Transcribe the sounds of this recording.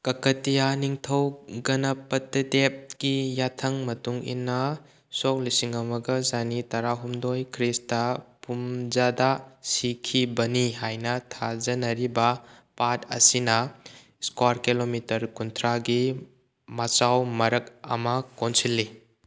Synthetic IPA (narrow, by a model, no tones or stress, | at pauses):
kɐkɐtijaniŋtʰɐwɡɐnɐpɐtɐdep̚ɡ̥ijatʰɐŋmɐtuŋḭnːɐ | sɔk̚lisiŋɐmɐɡɐzanitɐɾaɦumdojkʰɾistɐpumzadasikʰibɐniɦajnɐtʰazɐnɐɾibɐpatɐ̰sinɐ | skwaɾkilomitɐɾkuntʰɾaɡi | mat͡ʃawmɐɾɐk̚ɐ̰mɐkonsilːi